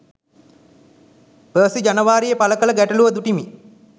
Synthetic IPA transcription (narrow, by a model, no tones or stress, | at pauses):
bəːsid͡ʒanəʋaːɾijəpaləkələɡæʈɐluʋəd̪uʈimi